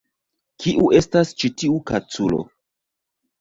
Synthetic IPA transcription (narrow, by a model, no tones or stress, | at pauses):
kʰiʔuʔe̞stast͡ʃitiukat͡sulo̞̰